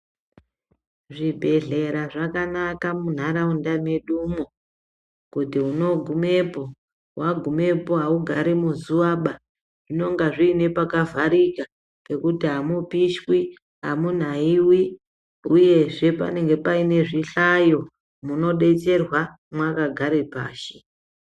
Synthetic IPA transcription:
ʐibʱe̞ɮe̞ɾaʐakanakamun̤aɾaundame̞ɗumo | kutiuno̞ɡʱume̞po̞ | waɡʱume̞po̞ɦauɡʱaɾimuzuwaɓa | ʐ̥ino̞ŋɡaʐiːne̞pakavaɾika | pe̞kutiɦamupiʃwi | ɦa̰mun̤aiwi | uje̞ʐe̞pa̰ne̞ŋɡe̞paine̞ʐiɬajo̞ | muno̞ɗe̞t͡se̞rwa | mwakaɡʱaɾepa̰ːʃi̥

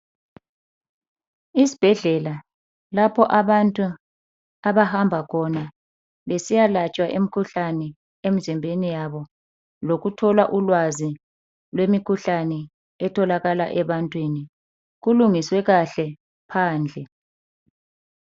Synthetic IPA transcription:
isi̥b̥ʱɛɮɛla | lapʰɔʔaβantʼu | aβahambʱakʰɔna | βesijalat͡ʃʼwaʔem̩ikʰuɬanɛ | em̩zimbʱenijaβɔ | loɣutʰɔlaʔulwazi | lwemikʰuɬanɛ | ɛtʰɔlaɣalaʔɛβantʼwini | ɣuluŋiswɛɣaɬɛ | pʰaːnd͡ɮʱɛ

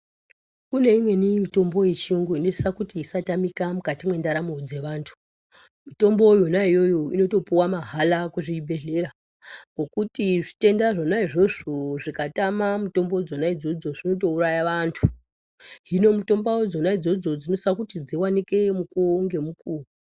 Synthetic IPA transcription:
kune̞imwe̞nimito̞mbo̞je̞t͡ʃiuŋɡoino̞isakutiːsatamikamukatimwe̞ndaɾamod͡ze̞ʋaːntʰu̥ | mito̞mbo̞jonaijo̞joino̞to̞piwamaɦalakuʐibʱe̞ɮe̞ɾa | ko̞kutiʐite̞ndaʐo̞naiʐo̞ʐoʐikatamamuto̞mbod͡zo̞naid͡zo̞d͡zo̞ʐino̞to̞uɾajaʋantʰu | ɦino̞muto̞mbawod͡zo̞naid͡zo̞d͡zo̞d͡zino̞sakutid͡ziwanike̞mukuŋɡe̞mukuːru

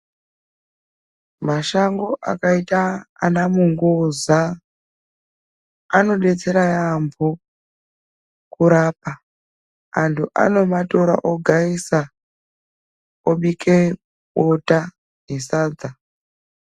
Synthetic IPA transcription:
maʃaŋɡoʔa̰kaita̰ːnamuŋɡoza | ano̞ɗet͡seɾajambʰʱo | kuɾaːp̚a | antʰuʔa̰no̞matoɾa̰ʔoɡʱaisa | oɓikʰe | ɓotʼa | nisaːd͡za

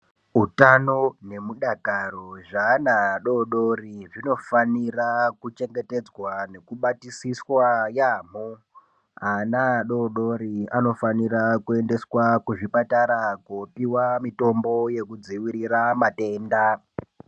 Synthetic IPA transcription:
utanone̞muɗakaɾoʐaːnaɗo̞ɗoriʐino̞fanirakut͡ʃe̞ŋɡe̞te̞d͡zwane̞kuɓatisiswajaːm̤o | anaɗo̞ɗo̞ɾia̰no̞fanirakue̞nde̞swakuʐipataɾakopiwamito̞mbo̞je̞kud͡ziwiɾiɾamate̞ːnda

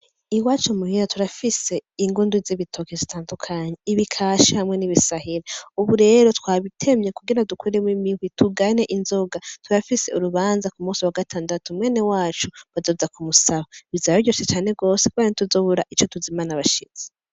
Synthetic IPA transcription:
iwaːt͡ʃomuhiɾatʰuɾafise̞iŋɡunduziβitʰo̞kezitaːndukʰaɲeiβikʰaʃihamŋe̞niβisahiɾeuβuɾe̞ːɾo̞twaːβitʰe̞mɲe̞kuɡiɾadukʰuɾemwimiwituɡane̞ʔinzo̞ɡatʰuɾafiseuɾuβaːnzakumuːsiwaɡatʰaːndatumwe̞ːne̞waːt͡ʃuβazoːzakumusaβaβizajoɟo̞ːset͡ʃaːne̞ɡo̞ːsekuβaɾinituzo̞ːβuɾaʔit͡ʃo̞tuzimanaβaʃḭz̥e

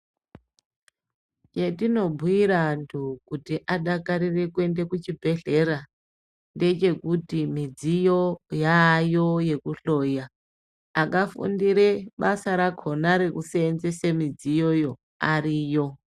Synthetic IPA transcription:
t͡ʃe̞tino̞bʱwiɾantʰukutiʔaɗakaɾire̞kuwe̞nde̞kut͡ʃibʱe̞ɮe̞ɾa | nde̞t͡ʃe̞kutimid͡zijo̞jajo̞je̞kuɬo̞jaː | kafṵndiɾe̞ɓasaɾakʰo̞naɾe̞kuseːnzesemid͡zijo̞jo̞ | aɾiːjo̞

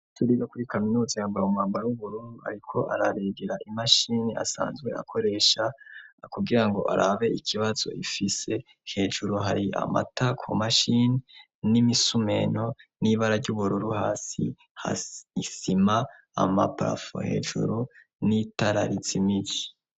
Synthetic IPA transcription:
tuɾiɾokuɾikaminuːzijambaumaːmbaɾawuβuɾuːndua̰ɾikʰo̞ʔaɾaɾeɡeɾaʔimaʃinia̰sa̰ːnzɡwe̞̰a̰kʰo̞ɾe̞ʃakuɡiɾaŋɡo̞̰ʔa̰ɾaβe̞ikʰiβaz̥o̞̰ʔifise̞ | he̞ːʒuɾuɦaɾiʔa̰ma̰takʰomaʃini | nimisume̞no̞niβaɾaɾɟuβuɾuɾuhaːsḭ | ha̰isima̰ː | ma̰pa̰fo̰he̞̰ːʒṵɾu | nitaɾaɾit͡simiɟi

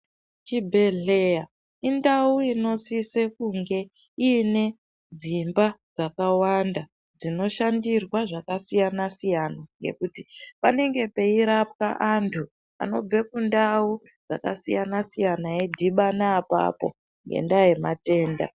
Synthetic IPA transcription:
t͡ʃibʱe̞ɮeja | indauino̞sise̞kuŋɡe̞ | ine̞ | d͡zimbad͡zakawanda | d͡zino̞ʃandirwaʐakasijanasijanaŋɡe̞̰kutipane̞ŋɡe̞pe̞iɾap̚ka̰ʔantʰu | a̰no̞b͡ve̞kundau | d͡za̰ka̰sijanasijanaedʱiɓanaːpa̰po̞̰ | ŋɡe̞̰ndaje̞ma̰te̞ːnda̰

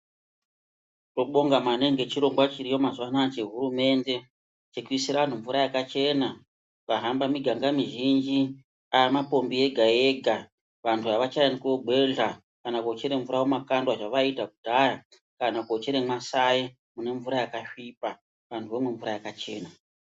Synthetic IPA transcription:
toɓo̞ŋɡamane̞ŋɡe̞t͡ʃiɾo̞ŋɡwat͡ʃiɾijo̞mazwanat͡ʃe̞ɦuɾume̞nde̞ | t͡ʃekuisiɾaʋan̤uɱvuɾajakat͡ʃe̞ːna | ʋaɦambamiɡʱaŋɡamiʒind͡ʒi | aemapo̞mbie̞ɡʱae̞ɡʱa | ʋantʰuaʋat͡ʃajnikoɡʱwe̞ɮa | kanakot͡ʃeɾe̞ɱvuɾawomakandwaʐaʋaitakudʱaja | kanakot͡ʃeɾemasaje | mune̞ɱvuɾajakaʂipa | ʋantʰuʋemwe̞ɱvuɾajakat͡ʃe̞̰ːna

